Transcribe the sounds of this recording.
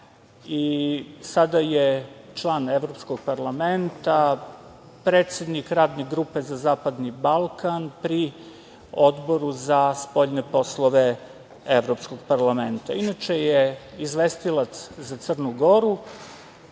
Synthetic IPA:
isad̪ajet͡ʃlˠaːneʋɾo̞pskoɡ̚paɾlˠament̪a | pɾeːt̪sʲed̪nikɾaːd̪ne̞ɡɾuːpe̞zazaːpad̪nibalˠkanpɾi | od̪bo̞ɾuzaspo̞ʎnepo̞slˠoʋe | eʋɾopsko̞ɡ̥̚paɾlˠame̞nt̪a̰inat͡ʃejeizʋest̪ilat̪szat̪sər̩nuɡo̞ɾu

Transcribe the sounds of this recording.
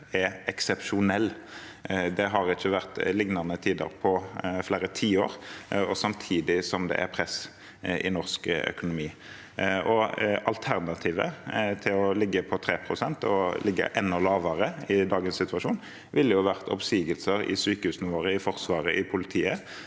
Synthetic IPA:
ɛɛksɛpʃʊnɛlː | d̪ɛɦɑʁɪçːəʋæʁt̪lɪŋnɑʁnət̪ʰiːd̪ə̰ɾpʰɔfleːɾət̪ʰiːoːɾɔsɑmt̪ʰiːd̪ɪsɔmd̪ɛ̰ʔæ̰ɾpʰʁɛs | ʔɪ̰nɔʁskœ̰kʊnʊmiː | ʔɔɑlt̪ʰæʁnɑt̪ʰiːʋə̰t̪ʰɪlɔlɪɡːəpʰɔt̪ʰɾeːpʰɾʊsɛnt̪ɔ̰lɪɡːə̰ʔɛnːɔlɑːʋəɾəɪd̪ɑːɡənsɪt̪ʉɑʂuːn | ʋɪlːəjʊʋæʁt̪ʰɔ̰psiːɡəlsəɾɪ̰syːkəhʉːsnɪʋoːɾəɪfɔʁsʋɑːʁəʔɪpʰʊlɪt̪ʰiːə

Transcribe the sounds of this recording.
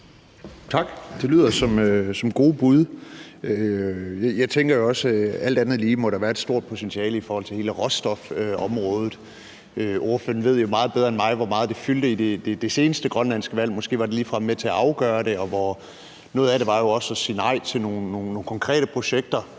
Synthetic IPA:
t͡sʰɑ̈ɡ̥d̥e̝lyð̞̰ˠɐsɒ̽møsɒ̽mɡ̥o̝ːb̥uð̞ˠøjjɑ̈ɪt͡sʰeŋɡ̥ɐjo̝ɒ̽sæl̰d̥ænð̩ˠliːmɒ̽ɾæʋæːɐed̥sd̥o̝ɐ̰d̥̚pʰo̝t͡sʰenɕʰiɛːləifɒːhɒ̽l̰t͡sʰe̝he̝ːləʁɒ̽sd̥ɒfɒ̽mʁɔ̽ːð̞ˠð̩ˠ | øʔo̝ɐfø̰ːɐ̰n̩ʋe̝ð̞̰ˠjo̝mɑ̈ːð̞̩ˠbeð̞ˠɐenmɑ̈ɪʋɒmɑ̈ːð̩ˠde̝fyld̥əid̥e̝d̥e̝d̥e̝se̝ːnəsd̥əɡ̥ʁɶnlænsɡ̥əʋæl̰mɒ̽sɡ̥e̝̰ːʋɑ̈d̥e̝liːfʁɑmmet͡sʰe̝æɑ̈ʊɡ̥ɶːɐɾ̥e̝ɒ̽ʋɒ | nɔ̽ːð̩ˠæɾ̥e̝ʋɑ̈jo̝ɒ̽sɒ̽siːnɑ̈ɪ̰t͡sʰe̝lno̝ːnːoːnːoːnkʰɒ̽ŋkʰʁɛ̰ːɾ̥əpʰʁo̝ɕeɡ̥̚d̥ɐ

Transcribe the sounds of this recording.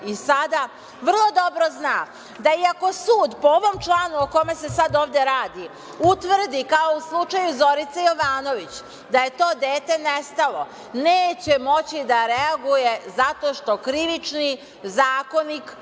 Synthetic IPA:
isad̪a | ʋr̩lˠo̞d̪o̞bɾo̞znaː | d̪aiako̞suːd̪pooʋo̞mt͡ʃlˠaːnuoko̞me̞se̞sad̪o̞ːʋd̪e̞ɾaːd̪i | ut̪ʋr̩d̪ikao̞uslˠut͡ʃajuzo̞ɾit̪sejo̞ʋaːno̞ʋit͡ɕ | d̪aje̞t̪o̞ːd̪eːt̪e̞nest̪alˠo̞ | neːt͡ɕe̞mo̞t͡ɕid̪aɾeaɡuje̞zat̪o̞ʃt̪o̞kɾiʋit͡ʃni | zaːko̞nik

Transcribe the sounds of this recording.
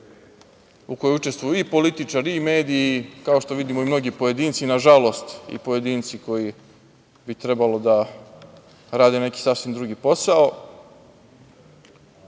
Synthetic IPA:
uko̞jout͡ʃe̞st̪ʋujuipo̞lit̪it͡ʃaɾiime̞ːd̪ijikao̞ʃt̪o̞ʋid̪imoimno̞ɡipoje̞d̪iːnt̪sinaʒalo̞st̪ḭpo̞je̞d̪iːnt̪siko̞ji | bit̪ɾe̞balo̞d̪a | ɾaːd̪ene̞ki̥safsʋimd̪ɾuːɡiːpo̞sao̞

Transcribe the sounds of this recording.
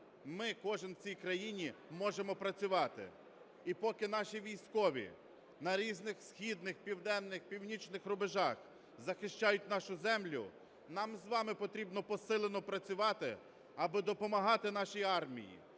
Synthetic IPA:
mɪkɔʒɪnwt͡sʲijkɾɐjinʲimɔʒemɔpɾɐt͡sʲʊʋɑt̪ɪ̰ | ipɔkɪnɑʃiʋʲijsʲkɔʋʲḭ | nɐɾʲiznɪxsxʲid̪nɪxpʲiwd̪ɛnːɪxpʲiwnʲit͡ʃnɪxɾʊbeʒɑx | zɐxɪʃt͡ʃɑjʊtʲnɑʃʊzɛmlʲʊ̰ | nɑmzʋɑmɪpɔt̪ɾʲibnɔpɔsɪlˠenɔpɾɐt͡sʲʊʋɑt̪ɪ | ɐbɪd̪ɔpɔmɐɦɑt̪ɪn̪ɑʃijɑrmʲḭjḭ

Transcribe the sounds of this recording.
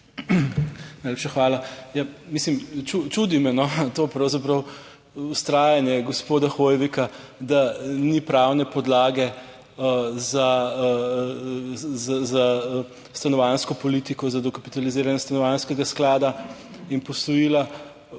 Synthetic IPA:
najleːpʃaxʋaːlajamislimt͡ʃut͡ʃud̪imɛnɔt̪oːpɾɐwzapɾɐw | ust̪ɾaːjanjɛɡɔspoːd̪axojʋika | d̪anipɾawnɛpɔd̪laːɡɛ | za | zaza | st̪anɔʋanskɔpɔliːt̪ikɔzad̪ɔkapi̥t̪aliziːɾanjɛst̪anɔʋanskɛɡasklaːd̪a | inpɔsɔjiːla

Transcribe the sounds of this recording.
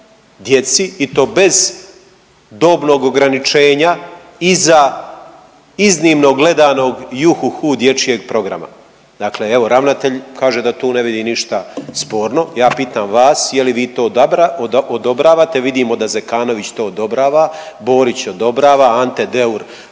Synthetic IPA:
d̪je̞t̪siit̪o̞ːbe̞z | d̪o̞ːbno̞ːɡo̞ɡɾanit͡ʃe̞ːɲa | iza | iznimno̞ɡle̞d̪aːno̞ɡjuxuxud̪je̞t͡ʃije̞ɡ̚pɾo̞ɡɾa̰ma̰ | d̪̥aːkleeʋo̞ɾaʋnat̪e̞ʎkaːʒe̞d̪at̪uːneʋid̪iniʃt̪aspoːɾno̞jaːpiːt̪aːmʋaːsjeliʋiːt̪o̞ːaod̪o̞bɾaːʋaːt̪e̞ʋid̪imo̞d̪azekaːno̞ʋit͡ɕt̪oːd̪o̞bɾaːʋa | bo̞ːɾit͡ɕod̪o̞bɾaːʋaant̪e̞d̪e̞uɾ

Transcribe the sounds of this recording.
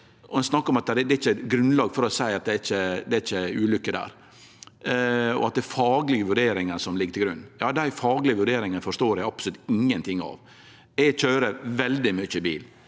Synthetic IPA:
ʔɔɛnsnɑkːəɾɔmɑt̪̚ɛd̪ɛɪçːəɡɾʉnlɑːɡfɔɾɔsæɪɑt̪̚d̪ɛæɾɪçəd̪ɛæɾɪçːəʉːlʏkːəd̪æ̰ːɾ | ɔ̰ɑt̪̚d̪ɛfɑːɡlɪɡəʋʉɖeːɾɪŋənsɔmlɪɡːt̪ʰɪlɡɾʉnːjɑːd̪æɪfɑːɡlɪəʋʉɖeːɾɪŋənfɔʂt̪oːɾæɪɑpslʉt̪ɪŋːənt̪ʰɪŋːɑ̰ʋ | ɛçøːɾəʋɛld̪ɪmʏçəbḭːl

